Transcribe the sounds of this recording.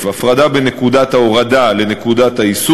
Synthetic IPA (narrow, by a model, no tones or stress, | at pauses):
vafʁad̪abenekud̪at̪aoʁadale̞ne̞kud̪at̪haisu